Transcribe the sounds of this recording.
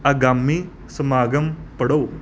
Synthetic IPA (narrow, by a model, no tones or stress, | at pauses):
ɐɡaːmːi | sɐmaːɡɐmpɐɽoː